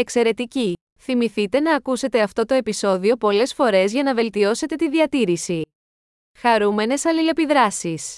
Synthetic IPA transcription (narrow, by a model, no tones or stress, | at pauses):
e̞kse̞ɾe̞t̪ici | θimiθit̪e̞nɐːkuse̞t̪e̞ɐft̪o̞t̪o̞e̞piso̞ðio̞po̞le̞sfo̞ɾe̞zʝɐnɐve̞lt̪io̞se̞t̪e̞t̪iðiɐt̪iɾisi | xɐɾume̞ne̞sɐlile̞piðɾɐsis